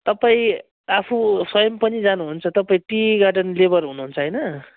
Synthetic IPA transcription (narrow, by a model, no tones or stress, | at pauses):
t̪ʌpaĩ | apʰuswʌjʌmpʌnid͡zanuɦunt͡sʰʌt̪ʌpaĩʈiɡarɖʌnlebʌrɦunuɦunt͡sʰʌɦʌjnʌ